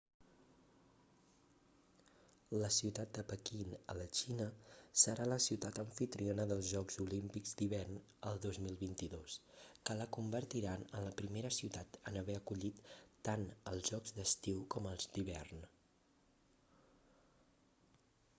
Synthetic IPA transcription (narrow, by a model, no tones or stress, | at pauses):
ləsiwt̪at̪̚d̪əpəkinə̰lət͡ʃinəsəɾaləsiwt̪at̪əɱfit̪ɾionəðəlˠzʒɔkzulimpikzd̪iβɛrn | əlˠd̪ozmilˠβint̪iðoskələkumbəɾt̪iɾanənləpɾimeɾəsiwt̪at̪ənəβɛəkuʎit̪ːanəlˠzʒɔɡzd̪əst̪iwkɔməlˠzd̪iβɛrn